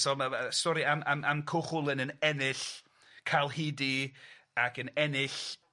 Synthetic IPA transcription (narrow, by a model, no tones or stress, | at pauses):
sɔmastɔɾiamamʔamkʰʊχʊlˠənənɛnɪɬ | kʰalˠhɪdiaɡənɛnɪɬ